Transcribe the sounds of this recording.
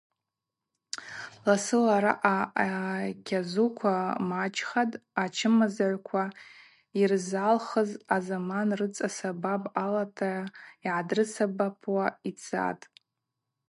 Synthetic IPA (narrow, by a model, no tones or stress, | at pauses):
lasɨlaɾa̰ʔa | kʲʰazukʷʰamat͡ʃʰʼχadʼat͡ʃʰɨmazaʕʷkʷʰa | irzalχəzazamanrɨt͡sʼasababʼalatʰaiʕadrɨsabapʰwait͡sʰa̰tʼ